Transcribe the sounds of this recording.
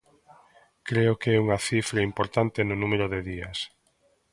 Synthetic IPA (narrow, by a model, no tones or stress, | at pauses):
kɾeʊkɛuŋɐθifɾɐimpoɾt̪ant̪ɪnʊnũmeɾʊðeðiɐs